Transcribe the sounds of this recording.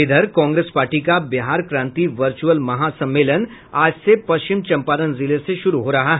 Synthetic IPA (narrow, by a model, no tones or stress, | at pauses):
ɪd̪ʱəɾkɔ̃ːŋɡɾeːspaːɾʈikabɪɦaːɾkɾãːnt̪iʋɐɾt͡ʃuəlmɐɦasɐ̃mːeːlən | aːd͡ʒsepɐʃt͡ʃɪmt͡ʃɐ̃mpaːd̪ənzɪleseʃʊɾuɦoːɾɐɦaɦ